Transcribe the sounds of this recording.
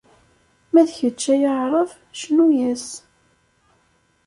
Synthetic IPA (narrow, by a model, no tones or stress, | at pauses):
mæðçət͡ʃːæjəʕɾˤəv | ʃnujæs